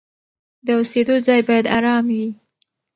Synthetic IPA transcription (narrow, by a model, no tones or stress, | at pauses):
d̪əosed̪ozɑjbɑjad̪aɾɑmwi